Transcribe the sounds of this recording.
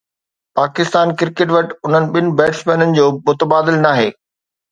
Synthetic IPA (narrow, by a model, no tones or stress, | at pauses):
paːkɪst̪aːnkɪɾkeʈ̬ʋɐʈʊn̤ənɪ̆ɓɪnɪ̆bɛːʈsmɛ̃ːnənɪ̆d͡ʑoːmʊt̪əbaːd̪ɪlnaːɦeː